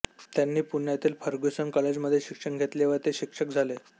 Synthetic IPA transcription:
t̪janːiːpuɳjat̪iːlfʰəɾɡusənkəled͡ʑməd̪ʱːjeɕikʂəŋɡʱet̪leʋəɾt̪eɕikʂək̚d͡zʱale

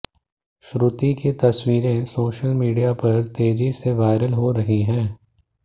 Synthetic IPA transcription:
ʃɾut̪iket̪ɐswiːɾẽsoːʃəlmiːɖijapɐɾt̪eːd͡ʒiseʋaːɪɾəlɦoɾɐɦiɦɛ̃ː

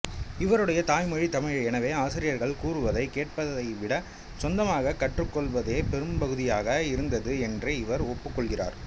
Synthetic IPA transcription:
ɪʋɐɾɯɽɐjɐt̪aːjmɔɻit̪ɐmɐɻɐɛnɐʋeːaːsɪɾɪjɐɾɣɐɭkuːrɯʋɐðɐɪkeːʈ̚pɐðɐɪʋɪɽɐ | sɔnd̪ɐmaːɣɐkːɐʈrɯkːɔɭʋɐðeːpɛɾɯmbɐɣɯðɪjaːɣɐɪɾɯnd̪ɐðɯɛndreɪʋɐɾɔpːɯkːɔɭɣɪra̰ːɾ

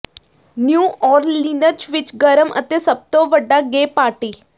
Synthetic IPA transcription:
njuːʔɔːɾlinət͡ʃʋɪt͡ʃɡəɾəmʔə̰t̪esəb̚t̪oʋəɖːaɡeːpaːɾʈiː

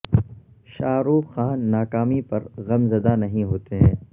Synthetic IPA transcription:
ʃaːɾuːxaːnːaːkaːmipɐɾɣɐmzɐd̪anɐɦĩɦoːt̪eɦɛ̃ː

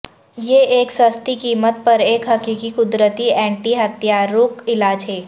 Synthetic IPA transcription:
jeːeːksəst̪ikiːmət̪̚pɐɾeːkɦɐkiːkikʊd̪ɾət̪iɛ̃ːɳʈiɦɐt̪jaːɾːʊːkɪlaːd͡ʒɦeː

